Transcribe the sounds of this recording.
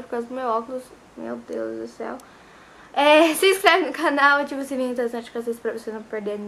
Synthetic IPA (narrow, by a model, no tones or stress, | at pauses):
pɾɪkazɐd̪ʊmewɔkʊʊs | mḛwd̪ḛwzd̪ʊsɛ̰w | ɛseiskɾɛvɪnʊkʰanawet͡ʃivʊsĩvẽĩt̪̬eɾesɐ̃t͡ʃkɪazezɪ̥pɾɐvosenɐ̃w̃peɾd̪en